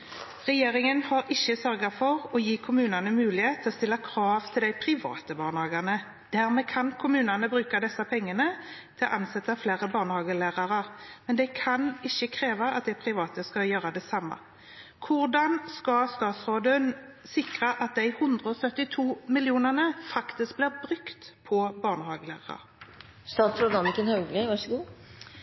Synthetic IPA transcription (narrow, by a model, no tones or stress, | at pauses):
ʁɛjeːʁɪŋənhɑɾɪçːəsœʁɡɑfɔʁɔjiːkʰʊmʉːnɑnəmʉːlɪheːt̪ʰːɪlɔst̪ɪlːɑkʰɾɑːʋt̪ʰɪld̪æɪpʰʁɪʋɑ̰ːt̪əbɑːʁnəhɑːɡɑʁnə | d̪̥æʁmɛkʰɑnkʰʊmʉːnɑnəbɾʉːkɑd̪ɛsːɑpʰɛŋːənət̪ʰɪlʔɑnsɛt̪ːɑfleːʁəbɑːʁnəhɑːɡəlæːʁɑʁəʁmɛnd̪ɛkʰɑnɪçːəkʰʁeːʋɑɑ̰t̪̚d̪ɛpʰʁɪʋɑːt̪əskɑjøːʁəd̪ɛsɑmːɑ̰ | kʰʊʁd̪ɑnskɑst̪ɑːt̪sʁoːd̪ənsɪkʁəʔɑt̪̚d̪æɪhʉnd̪ʁəɔsœt̪ːɪt̪ʰuːmɪljuːnəʁnəfɑkt̪ɪsk̚bliːʁbʁʉkt̪pʰɔbɑːʁnəhɑːɡəlæ̰ːʁɑʁɑ̰ | st̪ɑːt̪sɾʊnɑːmɪkənhœɡlɪʋɑʂɡuː